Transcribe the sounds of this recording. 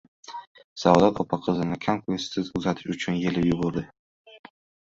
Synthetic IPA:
savd̪at̪ʰɒpʰaqʰɨzɪnɪkʲʰamkʊst̪ɪzʊzat̪ʰɪʃʊt͡ʃʰʊnjelɪjʊbʊɾd̪ɪ

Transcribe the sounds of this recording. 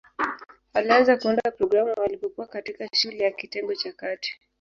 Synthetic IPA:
walianzakuɔndapɾɔɡɾamuwalipɔkuwakatikaʃulɛjakitɛŋɡɔt͡ʃakati̥

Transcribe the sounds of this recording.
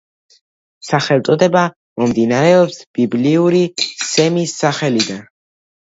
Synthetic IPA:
saχɛlˠt̪sʼɔd̪ɛba | mɔmd̪inaɾɛɔpsb̥ibliuɾisɛmisːaχɛlid̪an

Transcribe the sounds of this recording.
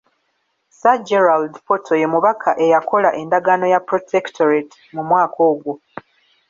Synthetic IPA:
sad͡ʒeɾaldfo̞tʰo̞je̞muβakʰaʔe̞jakʰo̞laʔe̞ndaɡano̞japɾotʰektʰoɾet | mumwaːkʰo̞ːɡwo

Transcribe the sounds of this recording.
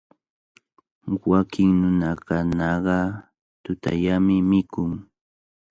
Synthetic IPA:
wakʰɪŋnʊnakanɑɢɑ | t̪ʊt̪a̰ʎamɪmɪkʊŋ

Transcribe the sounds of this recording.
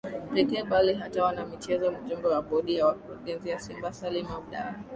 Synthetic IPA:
pɛkɛːɓaliɦatawanamit͡ʃɛzɔmud͡ʒumbɛwaɓɔɗijawakuɾuɡɛnzijasimbasalimaɗa̰ɾa

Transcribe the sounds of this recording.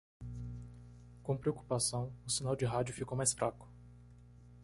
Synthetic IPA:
kõpɾeoku̥pasɐ̃w̃ʊsinawd͡ʒɪɦad͡ʒʊfikowmajsfɾʔakʊ̥

